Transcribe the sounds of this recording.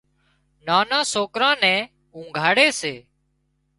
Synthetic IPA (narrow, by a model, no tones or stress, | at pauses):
naːnãːsoːkɾãːnɛ̃ː | ũːŋɡʱaːɽeːseː